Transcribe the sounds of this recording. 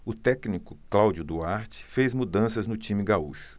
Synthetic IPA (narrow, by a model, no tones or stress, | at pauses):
ʊt̪ɛknikʊ̥klawd͡ʒʊd̪uaɾt͡ʃɪ̥fejzmud̪ɐ̃sɐznʊt͡ʃĩmɪɡauʃʊ̥